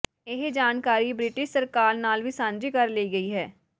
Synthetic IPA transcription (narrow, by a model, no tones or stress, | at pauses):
ɪɦd͡ʒaːnkaːɾibɾɪʈɪʃsɐɾkaːɾnaːlʋisãːnd͡ʒikɐɾleiɡɐiɦɛː